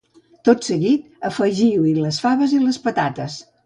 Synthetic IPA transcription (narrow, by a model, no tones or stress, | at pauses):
t̪ot̪səɣit̪̚ | əfəʒiwiləsfaβəziləspət̪at̪əs